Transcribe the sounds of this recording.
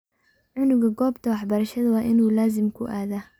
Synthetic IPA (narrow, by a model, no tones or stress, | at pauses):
ʕʊnʊɣɐɡɔːbt̪ʰɐwɑħbɐɾɐʃɐðɐwɑːʔɪnuːlaːzɪmkʰʊʔaːða